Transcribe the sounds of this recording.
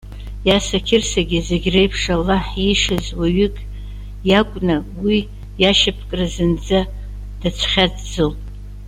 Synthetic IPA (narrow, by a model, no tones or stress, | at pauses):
jasakʲʰɪrsaɡʲɪzeɡʲrejpʰʂalaħiʂazwaɥʏkʼ | jakʷʼnawi | jaʃapʰkʼrazɨnd͡za | d̥at͡sʷʰχʲad͡zd͡zɨlpʼ